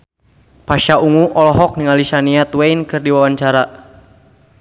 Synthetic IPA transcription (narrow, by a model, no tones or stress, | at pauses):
paʃauŋuʔɔlɔɦɔk̚niŋalisaniat̪wejnkɨrdiwawaɲt͡ʃaɾa